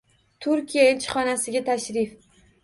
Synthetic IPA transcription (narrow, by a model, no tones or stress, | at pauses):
t̪ʰʊɾkʲijaɪlt͡ʃʰɪ̥χɒnasɪɡʲat̪ʰaʃɾɪf